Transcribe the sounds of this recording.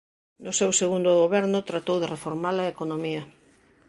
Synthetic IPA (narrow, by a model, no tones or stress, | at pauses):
nʊsewseɣund̪ʊɣoβɛɾnʊt̪ɾat̪owðerefoɾmalɐekonomiɐ